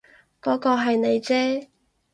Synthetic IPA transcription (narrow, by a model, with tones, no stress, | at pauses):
kɔː˨˥kɔː˧ɦɐ˨jne˨˧jt͡sɛː˥